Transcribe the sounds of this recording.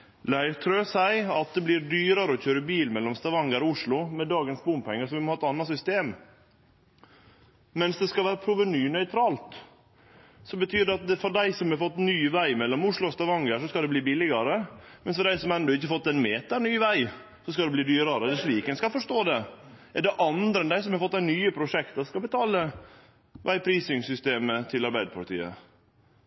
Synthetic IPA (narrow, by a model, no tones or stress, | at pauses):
læɪɾt̪ʰɾøːsæɪɑt̪̚d̪ɛbliɾɖyːɾɑɾəɔçøːɾəbiːlmɛlːɔmst̪ɑʋɑŋːəɾɔʊʂɭʊmɛd̪ɑːɡənsbʊmpʰɛŋːəsɔʋɪmɔhɑːɛt̪ɑnːɑsʏst̪eːm | mɛnsd̪ɛskɑlʋæːɾəpʰɾʊːʋənyːnœʏt̪ʰɾɑːlt̪ | sɔbət̪ʰyːdɛɑt̪̚d̪ɛfɔɖæɪsɔmhɛfɔt̪ːnyːʋæɪmɛlːɔmʊʂlʊst̪ɑʋɑŋːəʂɔskɑld̪ɛbliːbɪlɪɡɑɾəmɛnsfɔɖæɪsɔmɛnd̪ɔɪçːəfɔt̪ːɛnmeːt̪əɳyːʋæɪ | sɔskɑd̪ɛbliːd̪yːɾɑɾəd̪ɛʂɭiːkənskɑfɔʂt̪oːd̪ɛ | ɛɖɛʔɑnd̪ɾəɛnd̪æɪsɔmhɑɾfɔt̪ːænyːəpʰɾʊʂɛkt̪əskɑbət̪ʰɑːlə | ʋʔæɪpʰɾiːsɪŋsʏst̪eːmət̪ʰɪlɑɾbæɪd̪əpʰɑlt̪ʰḭːə̰